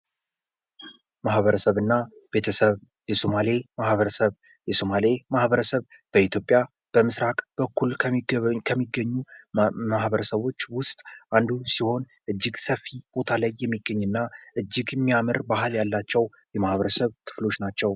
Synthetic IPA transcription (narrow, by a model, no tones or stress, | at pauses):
mahβəɾəsəβɨnːa | b̥e̞t̪ʰəsəβ | jɛso̞malemahβəɾəsəβ | jɛsomalemahβəɾəsəβ | b̥əit̪ʰjo̞pʼja | b̥əmɨsɾakʼb̥əkʰːulʰkʰəmːiɡːəɲːumahbəɾəsəβo̞t͡ʃːwʊst̪ʼʔand̪usiho̞n | ʔɨd͡ʒːɪɡsəfːib̥o̞t̪ʰalajːɛmːiɡːəɲːɨnːaʔɨd͡ʒːɪɡɛmːijamɨɾbahɨljalːat͡ʃːɛw | jɛmahβəɾəsəβkʰɨ̥flo̞t͡ʃːnat͡ʃːɛw